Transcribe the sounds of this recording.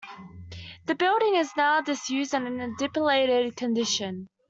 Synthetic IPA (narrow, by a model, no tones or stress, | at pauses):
ðəbɪlˠɾɪ̃ŋɪznaʊdɪsjʉːzd̃n̩ə̃nədɪpəleɪɾɪd̚kʰə̃ndɪʃə̃n